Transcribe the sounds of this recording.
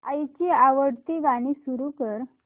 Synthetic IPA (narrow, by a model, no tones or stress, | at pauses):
a̰jt͡ɕiːaʋəɽt̪iʋaɽ̃isuɾukəɾ